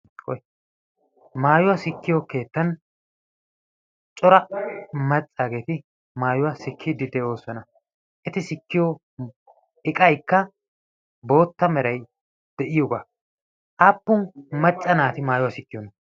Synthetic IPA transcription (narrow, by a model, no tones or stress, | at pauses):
kɔj | maːjʊwɐsɪkːɪjoke̞ːt̪ːɐn | t͡ʃʼɔɾɐmɐt͡sʼːaːɡe̞ːt̪ɪ | maːjʊwɐsɪkʰːid̪ɪd̪ɛʔo̞ːsɐnɐ | ʔɛt̪ɪsɪkːɪjɔ | ɪkʼɐjkːɐ | bo̞ːt̪ːɐmɛɾɐj | d̪̥ɛʔɪjɔɡaː | ʔaːpːʊnmɐt͡sʼːɐnaːt̪ɪmaːjʊwasɪkːɪjɔnː